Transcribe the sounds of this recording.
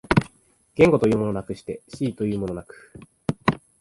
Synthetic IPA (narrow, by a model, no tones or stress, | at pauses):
ɡ̥ẽ̞ŋɡo̞t̪o̞jɯ̟ːmo̞no̞nakɯ̟ɕi̥t̪e̞ɕiːt̪o̞jɯ̟ːmo̞no̞nakɯ̥